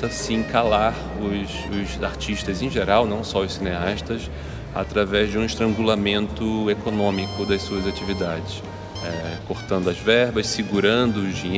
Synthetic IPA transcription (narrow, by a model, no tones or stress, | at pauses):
t̪ɐsɪĩkalaɾ | ʊs | ʊzaɾt͡ʃiʃt̪ɐzẽʒeɾawnɐ̃w̃sɔʊssineaʃt̪ɐs | a̰t̪ɾavɛzd͡ʒɪũiʃt̪ɾɐ̃ŋɡulamẽnt̪ʊekonõmikʊd̪ɐjsuɐzat͡ʃivid̪ad͡ʒɪs | ɛkoɾt̪ɐ̃nd̪ʊɐzvɛɾbɐssiɡuɾɐ̃nd̪ʊːzd͡ʒiɲ